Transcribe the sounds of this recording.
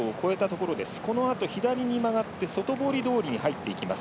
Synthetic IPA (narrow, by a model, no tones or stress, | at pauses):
oːko̞e̞t̪at̪oko̞ɾo̞d̪e̞sɨ̥ko̞no̞at̪o̞çid̪aɾʲiɲ̟imaɡat̪ːe̞so̞t̪o̞bo̞ːɾʲid̪o̞ːɾʲiɲ̟ihait̪ːe̞ikʲimas